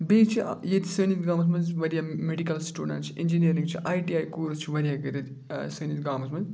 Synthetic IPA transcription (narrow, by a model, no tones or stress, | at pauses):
beːt͡ʃʰḭjet̪ʰi̥sənit̪ɡaːmɐs̬mɐnzʋɐɾijameɖikɐlsʈuːɖɐ̰̃ɳʈt͡ʃʰiʔend͡ʒinijɐɾĩŋɡt͡ʃʰiʔaːjʈiːaːjkuːɾst͡ʃʰiʋɐɾijaɡɐɾet̪ʰ | səːnit̪ɡaːmɐsmɐz